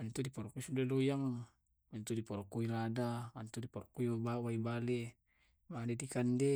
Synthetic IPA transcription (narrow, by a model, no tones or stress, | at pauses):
ant̪udipɔɾkuisudalojaŋ | ant̪udipɔɾkuiladaant̪udipɔɾkuiwabawaibale | madedikande